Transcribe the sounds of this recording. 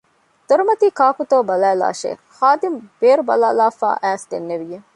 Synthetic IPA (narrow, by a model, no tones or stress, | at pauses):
d̪̥oɾumɐt̪iːkaːkut̪oːbɐlæːla̰ːʃḛː | haːd̪imb̥eːɾubɐ̰laːlaːfa̰ːʔæːsd̪enːeʋije